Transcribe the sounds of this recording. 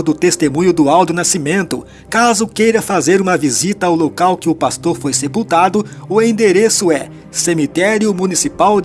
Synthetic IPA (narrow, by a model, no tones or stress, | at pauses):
d̪ʊt̪est̪emũɲʊd̪ʊawd̪ʊnasimẽnt̪ʊ | kazʊkejɾɐfazeɾũmɐvizit̪ɐawlokawkɪʊpast̪oɾfojsepuwt̪ad̪ʊʊẽd̪eɾesʊɛ | semit̪ɛɾjʊmũnisipaw